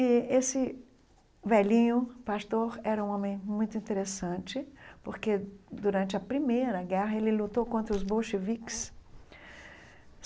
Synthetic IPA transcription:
ɪesɪ | vɛlĩɲʊpast̪oɾɛɾɐũõmẽj̃mũj̃t̪ʊĩnt̪eɾesɐ̃t͡ʃɪpoɾked̪uɾɐ̃nt͡ʃɪɐpɾimejɾɐɡɛɦɐelɪlut̪okõnt̪ɾɐʊzboʃeviks

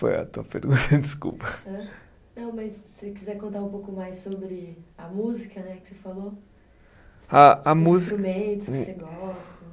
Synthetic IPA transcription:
fo̰jɐ̰t̪uɐpḛɾɡũt̪ɐd͡ʒiskṵpɐɐ̃ | nɐ̃w̃mɐssekizɛɾkõnt̪aɾũpowkʊmajsːobɾɪɐmuzikɐnɛkɪ̥sefalo | aɐmuzɾumẽt̪ʊ̥skɪseɡɔst̪ɐ

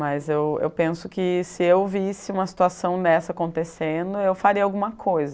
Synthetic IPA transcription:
mɐzewḛwpẽsʊkɪsɪewvisɪũmɐsi̥t̪uasɐ̃w̃d̪ɛsɐakõnt̪esẽd̪ʊewfaɾiɐawɡũmɐkʰojzɐ

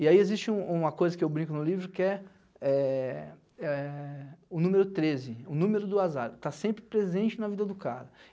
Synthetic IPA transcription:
ɪaiezist͡ʃɪũũmɐkojzɐkɪewbɾĩŋkʊnʊlivɾʊkɪɛ | ɛ | ɛ | ʊnũmeɾʊt̪ɾezɪʊnũmeɾʊd̪ʊazaɾt̪asẽmpɾɪpɾezẽnt͡ʃɪnɐvid̪ɐd̪ʊka̰ɾɐ

